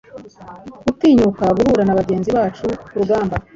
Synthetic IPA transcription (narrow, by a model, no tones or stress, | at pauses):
ɡutiːɲukaɡuhuɾanaβaɟe̞ːnziβaːt͡ʃukuɾuɡaːmba